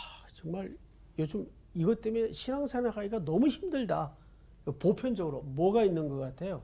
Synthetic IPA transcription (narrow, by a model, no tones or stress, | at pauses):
t͡ɕʌŋmaɭ | jod͡ʑom | iɡʌt͈emeɕʰinaŋsʰanaɡaiɡanʌmuçimdɯɭda | popʰjʌnd͡ʑʌɡɯɾomwʌɡainːɯnɡʌk͈atʰe̞jo